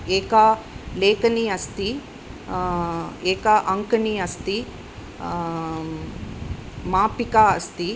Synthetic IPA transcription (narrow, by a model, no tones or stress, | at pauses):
eːkaleːkɐniɐst̪i | eːkaʔɐŋkɐniɐst̪i | maːpikaːɐst̪i